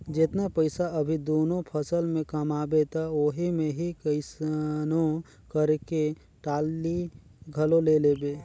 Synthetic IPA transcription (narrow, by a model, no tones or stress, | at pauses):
d͡ʒɪt̪napəɪsaɐbʱid̪oːnõpʰəsəlmẽkəmaːbet̪aoɦimẽɦikəɪsnõ | kəɾke | ʈaːlːi | ɡʱəlõleleːbeː